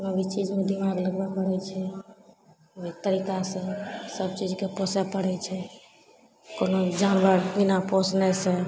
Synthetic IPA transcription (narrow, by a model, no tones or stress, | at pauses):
konobit͡ʃid͡ʒmẽd̪imaɡləɡbakbəɽɛt͡ʃʰɛ | ot̪əɾikasẽsəb̚t͡ʃid͡ʒkeposɛpəɽɛt͡ʃʰɛ | konod͡ʒanbəɾbinaposnɛsẽ